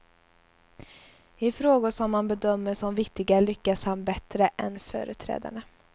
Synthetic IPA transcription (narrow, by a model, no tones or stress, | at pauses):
ɪfɾoːɡʊʂɔmːanbɛd̪œmːəʂɔmvɪkt̪ɪɡalʏkːashanbɛt̪ɾəʔɛnfœ̰ːɾʉt̪ʰɾɛ̰ːd̪a̰ɳə